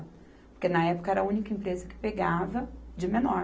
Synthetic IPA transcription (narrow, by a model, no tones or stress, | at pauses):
poɾkenɐɛpʊ̥kɐɛɾɐũnikɐẽmpɾezɐkɪ̥peɡavɐd͡ʒɪmenɔ